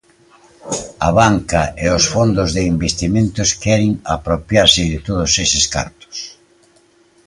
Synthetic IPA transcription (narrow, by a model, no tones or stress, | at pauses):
ɐβaŋkɐeosfond̪ʊzðɪimbest̪imẽnt̪ʊskɛɾɪŋapɾopjaɾsɪðɪt̪oð̞ʊsesɪska̰ɾt̪ʊ̥s